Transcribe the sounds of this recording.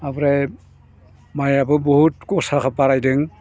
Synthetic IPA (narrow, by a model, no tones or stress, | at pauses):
abɾaj | majabɯbɔhutkɔsakʰapaɾajdɯŋ